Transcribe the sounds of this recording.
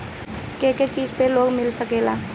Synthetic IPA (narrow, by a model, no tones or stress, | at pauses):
keket͡ʃiːd͡ʒpeloːɡmɪlsəkeːlaː